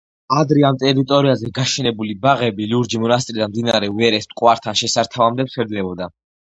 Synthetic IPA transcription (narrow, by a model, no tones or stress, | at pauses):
ad̪ɾɛamt̪ʼɛɾit̪ʼɔɾiazɛɡaʃɛnɛbulibaʁɛbiliuɾd͡ʒimɔnast̪ʼɾid̪anmd̪inaɾɛvɛɾɛst̪ʼqʼwaɾt̪ʰanʃɛsaɾt̪ʰavamd̪ɛpsʰɛɾd̪lɛbɔd̪a